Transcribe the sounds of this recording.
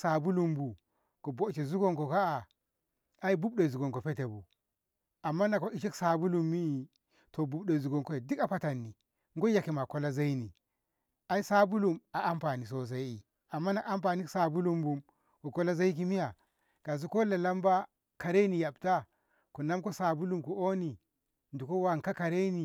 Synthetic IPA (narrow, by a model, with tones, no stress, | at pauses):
sa˨bu˦lu˨mbu˨ | ko˨bo˦˨t͡ʃe˨zu˦ɡo˦ŋko˨ka˦a˨ | a˦i˦bu˦bɗo˨zu˨ɡo˨ŋko˨pe˦te˨bu˨ | a˨mːa˦na˨ko˨ʔi˨ʃi˦ksa˨bu˦lu˨mːi˦i˨ | to˨bu˨bɗo˨zu˨ɡo˨ŋko˦e˨di˦ka˨pa˦ta˨nːi˨ | ŋɡo˦ja˨ki˨ma˨ko˦la˦za˦i˦ni˨ | a˦i˦sa˦bu˦lu˨ma˨ʔa˦mpa˨ni˨s̬o˦s̬a˦ji˨ | a˨mːa˦na˨ʔa˨mpa˨ni˦sa˨bu˦lu˦mbu˨m | ko˨ko˦la˦za˦i˦k̬i˦mi˦ja˨ | ɡ̥a˨zu˦ko˦la˨la˦mba˦ | ka˨ɾe˦ni˨ja˨bta˦ | ku˨na˦mko˦sa˨bu˦lu˦˨mku˨o˦ni˨ | ndu˨ko˦wa˦˨ŋ˨ka˦ka˨ɾe˦ni˨